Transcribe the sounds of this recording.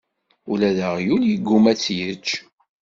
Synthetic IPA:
ulæðəʁjuljəɡːumæt͡sːjət͡ʃː

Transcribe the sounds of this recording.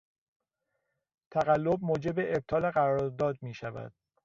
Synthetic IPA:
t̪ʰæɣælːo̞b̚moːd͡ʒe̞beʔeb̚t̪ʰɒːleɣæɾɒɒɾd̪ɒːd̪̚miːʃævæ̰d̪̥

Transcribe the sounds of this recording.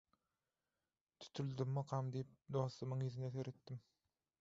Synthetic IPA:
t̪ʰy̥t̪ʰyld̪ymːɑqʰɑmd̪ijip̚d̪oːθɯmɯŋizineθeɾet̪ːim

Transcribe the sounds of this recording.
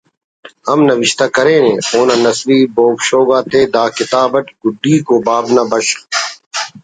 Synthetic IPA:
hɐmnɐʋɪʃt̪aːkɐɾeːnẽːoːnaːnɐsɾiːboːkɕoːɡaːt̪ʰeːd̪aːkɪt̪aːbɐʈɡʊɖːiːkoːbaːbnaːbɐɕ

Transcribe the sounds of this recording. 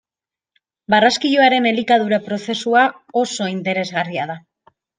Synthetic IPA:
baraskiʎoaɾe̞ne̞likað̞uɾapɾo̞θe̞sua | o̞so̞int̪e̞ɾe̞zɣariað̞a

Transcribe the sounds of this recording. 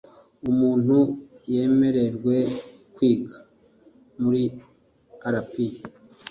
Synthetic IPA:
umuːn̥huje̞ːme̞ɾe̞ɾɡwe̞ | kwiːɡḁ | muɾi | aɾapi

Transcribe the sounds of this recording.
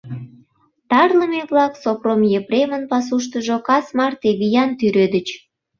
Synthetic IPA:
t̪ɑrləmeβlɑksopromjepɾemənpɑs̬uʃ̬t̪əʒokɑsmɑrt̪eβijɑnt̪yɾød̪ət͡ɕ

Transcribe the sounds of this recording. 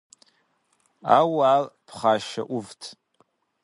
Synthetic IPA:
awaːlpʰχaːʃa̰ʔuvtʰ

